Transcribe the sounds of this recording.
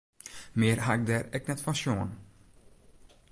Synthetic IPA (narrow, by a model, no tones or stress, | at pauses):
meːɾɦaɡ̚d̪əɾɛk̚nɛt̪faʃuːn